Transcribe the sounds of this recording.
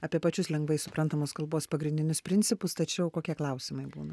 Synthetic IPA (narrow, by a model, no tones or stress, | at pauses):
ɐːpʲiɛpɐt͡ʃʲʊslʲɛŋɡʋɐɪsʊpɾɐnt̪ɐmoːskɐlˠboːspɐɡɾʲɪnʲd̪ʲɪnʲʊspʲɾʲɪnʲt̪sʲɪpʊst̪ɐt͡ʃʲɛʊkoːkʲiɛklˠɐʊsʲɪmɐɪbṵːnɐ